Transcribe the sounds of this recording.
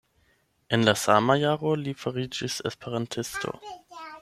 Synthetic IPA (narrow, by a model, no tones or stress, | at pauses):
enlasa̰majaːʁo̞lifaʁid͡ʒisḛspeɾantʰɪstʰo̞̰